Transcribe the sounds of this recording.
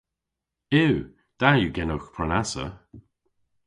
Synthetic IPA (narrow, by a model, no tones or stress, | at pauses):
ɪw | d̪̥ajuɡɛnowxpʰɹanasə̰